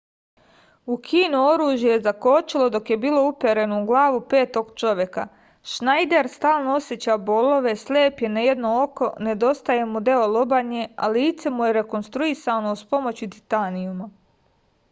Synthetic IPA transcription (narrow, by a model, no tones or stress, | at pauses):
ukʰiːnuo̞ɾuːʒjejezako̞t͡ʃilˠo̞d̪o̞kje̞biːlo̞upeɾe̞noɡlˠaːʋupe̞ːt̪o̞ɡt͡ʃo̞ʋje̞ka̰ | ʃnajd̪eɾst̪aːlˠnoo̞sjet͡ɕabo̞lo̞ʋe̞sleːpje̞naje̞d̪no̞o̞ko̞ne̞d̪o̞st̪aje̞mud̪e̞olˠobaɲea̰liːt̪se̞muje̞ɾe̞ko̞nst̪ɾuisano̞uspo̞mo̞t͡ɕut̪it̪anijuma